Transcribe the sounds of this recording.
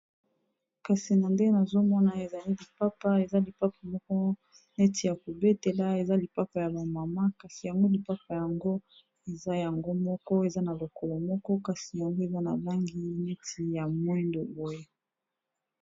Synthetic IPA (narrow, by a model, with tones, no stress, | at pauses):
ka˨si˨na˨nde˦na˨zo˦mɔ˦na˨e˨za˨li˦li˨pa˦pa˦e˨za˦li˨pa˦pa˨mɔ˦kɔ˦ | ne˦ti˨ja˨ko˨be˦te˨la˦e˨za˦li˨pa˦pa˨ja˨ba˨ma˨ma˦ka˨si˨ja˨ŋɡo˦li˨pa˦pa˨ja˨ŋɡo˦ | e˨za˦ja˨ŋɡo˦mɔ˦kɔ˦e˨za˦na˨lo˨kɔ˨lɔ˨mɔ˦kɔ˦ka˨si˨ja˨ŋɡo˦e˨za˦na̰˨la˦ŋɡi˦ne˦tʰi˨ja˨mwɛ˦ndo˨bo˨je˦